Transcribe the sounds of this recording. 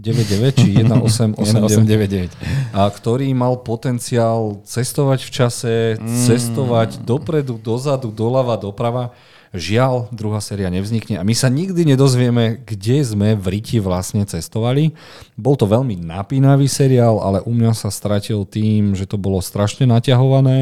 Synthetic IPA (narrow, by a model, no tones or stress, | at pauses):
ɟɛʋɛɟɟɛʋɛct͡ʃijɛd̪naʔɔsɛmʔɔsɛmɛɛʋɛɟɟɛʋɛcːkt̪ɔɾiːmalpɔt̪ɛnt͡siaːlt͡sɛst̪ɔʋaɟft͡ʃasɛt͡sɛst̪ɔʋaɟd̪ɔpɾɛd̪ud̪ɔzad̪ud̪ɔlaʋad̪ɔpɾaʋa | ʒɪald̪ɾuɦaːsɛːɾiaɲɛvzɲikɲɛʔamisaɲiɡd̪iɲɛd̪ɔzʋɪɛmɛɡɟɛzmɛʋɾiciʋlasɲɛt͡sɛst̪ɔʋali | bɔlt̪ɔʋɛʎmina̰piːnaʋiːsɛɾiaːla̰lɛʔumɲasast̪ɾacilt̪iːmʒɛt̪ɔbɔlɔst̪ɾaʃɲɛnacaɦɔʋanɛː